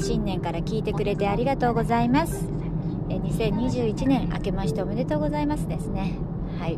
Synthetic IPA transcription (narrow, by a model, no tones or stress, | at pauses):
ɕĩnːẽ̞ŋkaɾakʲiːt̪e̞kɯ̟ɾe̞t̪e̞aɾʲiɡat̪o̞ːɡo̞zaimasɨ̥ | eɲ̟isẽ̞ɲ̟ːiʑɨːit͡ɕinẽ̞ɰ̃ʔa̰ke̞maɕi̥t̪aome̞d̪e̞t̪o̞ːɡo̞zaimasɨd̪e̞sɨne̞ | hai